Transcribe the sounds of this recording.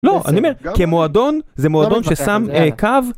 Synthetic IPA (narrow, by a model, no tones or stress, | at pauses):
lo̞ʔa̰niomeʁkemoado̞nzemoad̪o̞nʃesamekav